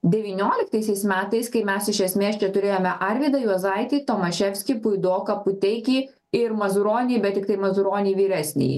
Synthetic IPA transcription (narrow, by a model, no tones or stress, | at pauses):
d̪ʲɛʋʲiːnʲoːlʲɪkt̪ɐɪsʲɛɪsmʲæːt̪ɐɪskɐɪmʲɛsɪʃʲɛsʲmʲeːst͡ʃʲɛt̪ʊɾʲeːjoːmʲɛʔɐɾʲʋʲiːd̪ɐjuɔzɐɪt̪ʲiːt̪oːmɐʃʲɛfʲsʲkʲipʊɪd̪oːkɐpʊt̪ʲɛɪkʲiː | ɪɾmɐzʊɾoːnʲijbʲɛt̪tʲɪk̚t̪ɐɪmɐzʊɾoːnʲiːʋʲiːɾʲæːsʲnʲḛjḭ